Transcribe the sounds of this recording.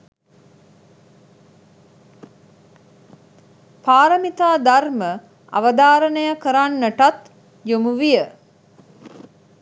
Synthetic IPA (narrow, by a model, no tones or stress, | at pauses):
paːɾəmit̪aːd̪armə | a̰ʋəd̪aːɾənəjakəɾanːəʈat̪ | jomuʋijə